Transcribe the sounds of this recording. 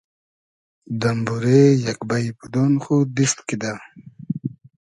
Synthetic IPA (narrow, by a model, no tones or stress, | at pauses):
d̪ɐmbuɾejɐkbajpud̪onxud̪ist̪kid̪a